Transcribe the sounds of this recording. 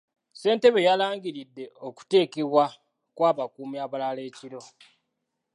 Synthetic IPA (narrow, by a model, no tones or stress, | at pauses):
se̞ːnte̞βe̞jalaːŋɡiɾidːe̞o̞ku̥te̞ːke̞βwa | kwaːβakuːmjaːβalale̞ːciɾo̞